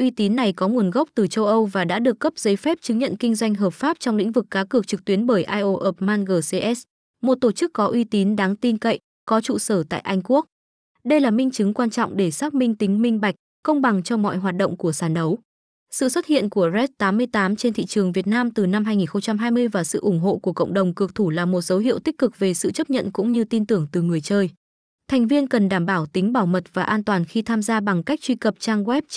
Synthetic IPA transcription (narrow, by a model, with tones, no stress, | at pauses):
ʔwi˧t̪i˨˦nːa˨˩jkɔ˨˦ŋu˨˩ənɣə˦˥k͡p̚t̪ɨ˨˩t͡ɕə˧wʔə˧wvaː˨˩ɗa̰ː˧˥ɗɨ˨˩əkːə˦˥p̚zə˨˦jfɛ˦˥p̚t͡ɕɨ˨˦ŋɲə̰˧˨nkï˧ŋ̟zwa˧jŋ̟ɦəː˨˩p̚faː˦˥p̚t͡ɕɔ˧wŋ͡mlḭ˧˥ŋ̟vɨ˨˩kːaː˨˦kɨ˨˩ək̚t͡ɕɨ˨˩k̚t̪wi˨˦ənɓəː˧˩jʔaː˧jʔo˧ʔə˨˩p̚maː˧nɣəː˧˩se˧ʔɛ˦˥s | mo˨˩t̚t̪o˧˩t͡ɕɨ˦˥kːɔ˨˦ʔwi˧t̪i˨˦nɗaː˨˦ŋt̪i˧nkə̰˧˨j | kɔ˨˦t͡ɕṵ˧˨səː˧˩t̪a̰ː˧˨jʔa˧jŋ̟ku˦˥ək̚ | ɗə˧jlaː˨˩mï˧ŋ̟t͡ɕɨ˨˦ŋkwaː˧nt͡ɕɔ̰˧˨wŋ͡mɗe˧˩saː˦˥k̚mï˧ŋ̟t̪ï˨˦ŋ̟mï˧ŋ̟ɓa˨˩jk̚ | kə˧wŋ͡mɓa˨˩ŋt͡ɕɔ˧mɔ̰˧˨jɦwaː˨˩t̚ɗo̰˧˨ŋ͡mku˧˩əsaː˧˩nɗə˨˦w | sɨ̰˧˨swə˦˥t̚hḭ˧˨ənku˧˩əzɛ˦˥t̚t̪aː˨˦mːɨ˧əjt̪aː˨˦mt͡ɕe˧nt̪ʰḭ˧˨t͡ɕɨ˨˩əŋvi˨˩ət̚naː˧mt̪ɨ˨˩na˧mɦaː˧jŋi˨˩nxə˧wŋ͡mt͡ɕa˧mɦaː˧jmɨ˧əjvaː˨˩sɨ̰˧˨ʔʊ˧˩ŋ͡mɦo̰˧˨ku˧˩əkə̰˧˨wŋ͡mɗə˨˩wŋ͡mkɨ˨˩ək̚t̪ʰu˧˩laː˨˩mo˨˩t̚zə˨˦wɦḭ˧˨əwt̪i˦˥k̟̚kɨ˨˩k̚ve˨˩sɨ̰˧˨t͡ɕə˦˥p̚ɲə̰˧˨nkʊ̰˧˥ŋ͡mɲɨ˧t̪i˧nt̪ɨ˧˩əŋt̪ɨ˨˩ŋɨ˨˩əjt͡ɕəː˧j | t̪ʰɛ˨˩jŋ̟vi˧ənkə˨˩nɗaː˧˩mɓaː˧˩wt̪ï˨˦ŋ̟ɓaː˧˩wmə˨˩t̚vaː˨˩ʔaː˧nt̪waː˨˩nxi˧t̪ʰaː˧mzaː˧ɓa˨˩ŋka˦˥k̚t͡ɕwi˧kə˨˩p̚t͡ɕaː˧ŋɣwɛ˦˥p̚